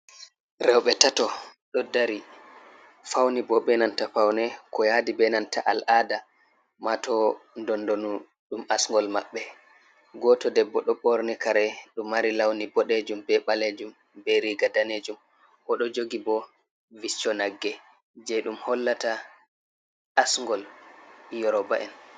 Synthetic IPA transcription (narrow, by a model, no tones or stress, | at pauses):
ɾɛwɓɛtatɔɗɔdaɾi | fawnibɔɓɛnantafawnɛkɔjadibɛnanta̰ʔalʔada | matɔndɔndonu | ɗumasŋɡɔlmaɓːɛ | ɡɔtɔdɛbːɔɗɔɓɔɾnɛkaɾɛɗumːaɾilawnibɔɗed͡ʒumbɛɓaled͡ʒum | bɛɾiɡadaned͡ʒum | ʔɔɗɔd͡ʒoɡibɔ | vit͡ʃːɔnaɡːɛ | d͡ʒɛɗumhɔlːata | asŋɡɔl | jɔɾɔbaʔɛn